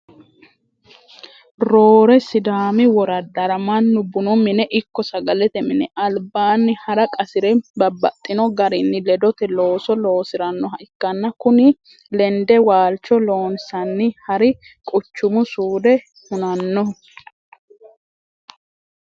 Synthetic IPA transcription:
ɾoːɾɛsɪd̪aːmɪwɔɾɐd̪ɐɾɐmɐnːʊbʊnɔmɪnɛʔɪkːɔsɐɡɐlɛt̪ɛmɪnɛ̰ʔɐlbaːnːɪhɐɾɐkʼɐsɪɾɛbɐbːɐ̰t̪ʼːɪnɔɡɐɾɪnːɪlɛd̪ɔt̪ɛlo̞ːsɔlo̞ːsɪɾɐnːɔɦɐʔɪkːɐnːɐkʊnɪ | lɛnd̪ɛwaːlt͡ʃːɔlo̞ːnsɐnːɪhɐɾɪkʼʊt͡ʃːʊmʊsuːd̪ɛ | hʊnɐnːɔ

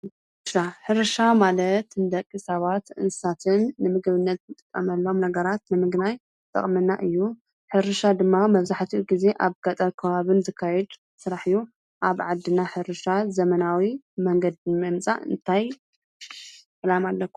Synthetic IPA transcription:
sɾaħɨɾɨʃamalɐt̪nɨd̪ɐkʼːisɐβat̪ʔɨ̰nsat̪ʰɨnːɨmɨɡɨβɨnːɐt̪nɨt̪ʼɨkʼːɐmɐlːo̞mnɐɡɐɾat̪nɨmɨɡnaj | t̪ʼɐ̰χʼmɨnːaʔɨjːu | ħɨɾɨʃad̪ɨmːamɐβzaħt̪ʰiɡize̞ʔaβɡat̪ʼalkʰɐβaβɨnzɨkʰːajɛd̪ | sɨɾaħɨju | ʔaβʕad̪ːɨnaħɨɾɨʃazɐmɐnawi | mɐŋɡɐd̪mɨmt͡sʼa̰ɨ̰nt̪ʰaj | ɨlamalːɐkʷːu

